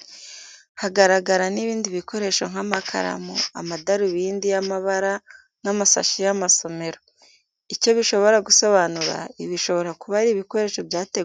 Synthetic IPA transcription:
haɡaɾaɡaɾaniβiːndiβikʰo̞ɾe̞ʃo̞ŋ̥hamakʰa̰ɾa̰moa̰madaɾuβiːndijamaβaɾa | n̥amasa̰ʃijamaso̞me̞ɾo | ico̞βiʃo̞βo̞ɾaɡuso̞βanuɾa̰iβiʃo̞βo̞ɾakuβaɾiːβiko̞ɾe̞ːʃo̞bjaːteɡ

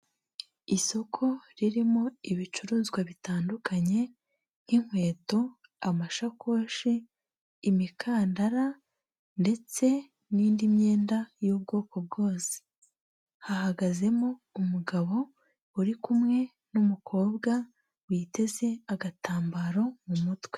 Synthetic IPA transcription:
iso̞kʰo̞ɾiɾimo̞iβit͡ʃuɾuːzɡwaβitaːndukaɲe̞ | n̥hiŋ̥hwe̞ːto | amaʃakʰo̞ːʃiː | mikʰaːndaɾa | nde̞t͡se̞ | niːndimɲe̞ːndajuːb̚ɡo̞ːko̞b̚ɡo̞ːse̥ | hahaɡaze̞moumuɡaβo̞ | uɾikumŋe̞ | numukʰo̞ːbɡa | wiːte̞ze̞aɡataːmbaɾo̞mumutwe̞

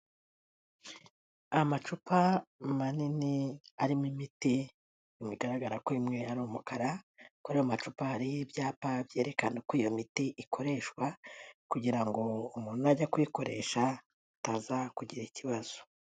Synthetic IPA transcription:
amat͡ʃupamaniniaɾimwimiti | imwiɡaɾaɡaɾakwimŋe̞aɾumukaɾakuɾehamat͡ʃupaːɾibjaːpabje̞ːɾe̞kanekwiːjomitiʔikʰo̞ɾe̞ʃkwakuɟiɾaŋɡo̞umuːnuaɟakwiko̞ɾe̞̰ːʃa | tazakuɟiɾaiciβaz̥o̥

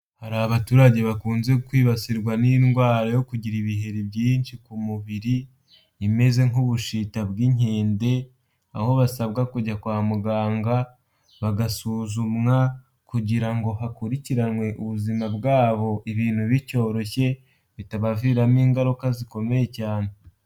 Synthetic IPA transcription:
haɾaβatuːɾaɟe̞βakuːnze̞kwiːβasiɾɡwaninɡwaːɾajo̞kuɟiɾiβiɦe̞ɾibɟiːnʃikumuβiɾiː | me̞ze̞ŋuβuʃitaβɡiɲeːnde̞ | a̰ho̞βasaβɡakuɟakwaːmuɡaːŋɡa | βaɡasuːzumŋa | kuɟiɾaŋɡo̞ɦakuɾiciɾanwe̞ʔuβuzimabɡaːβo̞ʔiβiːn̥huβico̞ːɾo̞çe̞ | βitaβaviːɾamiːŋɡaɾukaziko̞me̞je̞caːne

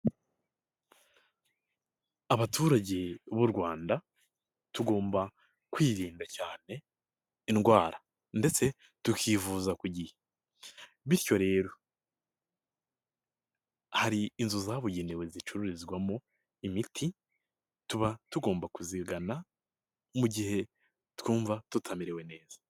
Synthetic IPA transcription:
aβatʰuːɾaɟe̞βuɾɡwaːnda | tuɡo̞ːmba | kwiːɾiːndacaːne̞ | inɡwaːɾa | nde̞t͡se̞ | tukʰiːvuːzakuɟihe | βiɾjo̞ɾe̞ːɾo̞ | haɾiːnzuzaβuɟe̞newe̞zit͡ʃuɾuɾizɡwamo | imitʰi | tuβatuɡo̞ːmbakuziɡana | muɟihe̞ | tkuːɱvatutʰamiɾe̞we̞ne̞ːz̥ḁ

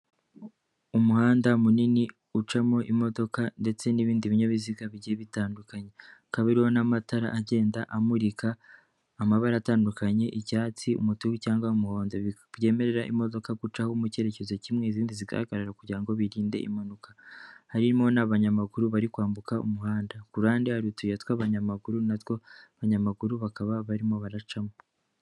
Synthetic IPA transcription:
umuhaːndamunini | ut͡ʃamo̞ʔimo̞do̞kande̞t͡se̞niβiːndiβiɲaβiziɡaβiɟieβitaːndukaɲe̞kaβiɾiho̞namataɾa̰ʔaɟe̞ːndaʔamuɾikʰaː | maβaɾataːndukʰaɲe̞ʔicaːt͡siṵmutuɡicaːŋɡwaumuhoːndo | βje̞ːme̞ɾe̞ɾaʔimo̞do̞kaɡut͡ʃahomuce̞ɾe̞cezo̞cimŋeiziːndiziɡa̰haɡaɾaɾakuɟiɾaŋɡo̞βiɾiːnde̞̰ʔḭmanukḁhaɾimo̞naβaɲamaɡuɾuβaɾikwaːmbukaṵmuhaːndakuɾaːndihaɾutujatwaβaɲamaɡuɾunatwo̞βaɲamaɡuɾuβakaβaβaɾimoβaɾat͡ʃamo

